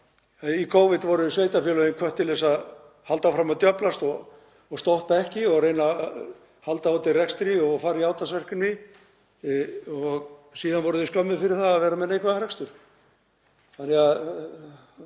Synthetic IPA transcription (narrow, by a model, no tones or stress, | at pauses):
ikʰoːwvɪt̪vɔɾʏsvejt̪afɛːlœɪnkʰvœht̪ːɪlɛsað | hal̪t̪afɾamaðt̪jœplast̪ɔ | ɔɣst̪owht̪̚paɛhcɪɔɣrejna | halt̪aawt̪ɪrɛkst̪ɾɪɔɣfaːɾiaːwt̪asvɛr̥kʏnvɪ | ɔɣsiːðanvɔɾʏðɪʏskœmːʏfɪɾɪɾ̥θaðaðvɛːɾamɛðnejkvaðaɾɛkst̪ʏɾ̥ | θanɛɣað